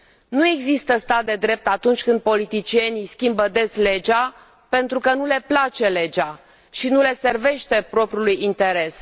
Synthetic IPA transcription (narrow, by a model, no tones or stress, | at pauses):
nue̞ɡzist̪əst̪at̪̚d̪e̞d̪ɾe̞p̚t̪at̪unt͡ʃʲkɨnd̪̚po̞lit̪it͡ʃie̞nijskʲimbəd̪e̞sle̞d͡ʒa | pe̞nt̪ɾukənule̞plat͡ʃe̞le̞d͡ʒa | ʃinule̞se̞rve̞ʃt̪e̞pɾo̞pɾʲijulujint̪e̞ɾe̞s